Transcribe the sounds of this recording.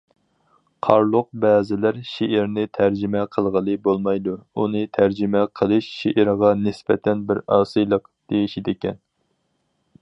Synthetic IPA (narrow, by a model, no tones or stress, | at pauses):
qʰɑɾlˠʊq̚bɛːzɪlæɾʃeɪɾnɪt̪ʰæɾd͡ʒɪmɛqʰəlˠʁəlˠɨbolˠmɑjd̪uunɨt̪ʰæɾd͡ʒɪmɛqʰəlˠɨʃːeʔiɾʁɑnɪsbɛt̪ʰɛnbɪɾɑːsɨjlˠəqd̪̥ejiʃid̪ɪkʲɛn